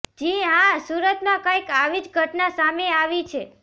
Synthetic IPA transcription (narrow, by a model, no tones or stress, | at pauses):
d͡ʒiɦãsuɾət̪mãkãikaʋid͡ʒɡʱəʈnasameaʋit͡ʃʰe